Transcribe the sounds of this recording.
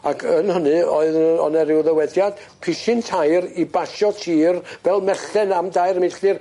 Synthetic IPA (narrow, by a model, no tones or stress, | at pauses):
akʰənhʊnɨɔɨðɔ̰nɛɾɪwðəwɛdjad̥ | pʰɪʃɨntʰajɾibaʃɔtʰiːrvɛlˠmɛɬɛnamdajɾmɪɬɨr